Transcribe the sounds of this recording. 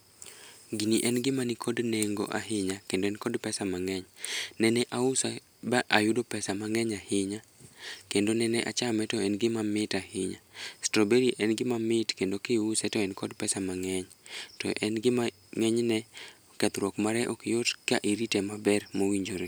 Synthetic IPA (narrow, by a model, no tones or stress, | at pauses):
ɡiniʔɛnɡɪmanɪkʰodneŋɡo̰ʔa̰ɦɪɲakendoɛnkɔdpɛsamaŋɛɲnɛnɛʔaʊsa | baʔajʊdopɛsamaŋɛɲahɪɲa | kendonɛnɛʔat͡ʃamɛtɔɛnɡɪmamɪtahɪɲastɾobeɾiʔɛnɡɪmamɪtkendokɪʊsɛtɔɛnkɔdpɛsamaŋɛɲ | tɔ̰ʔɛnɡɪma | ŋɛɲnɛ | kɛt̪ɾwɔkmaɾɛʔokɪjotka̰ʔiɾitɛmabɛrmowiɲd͡ʒoɾe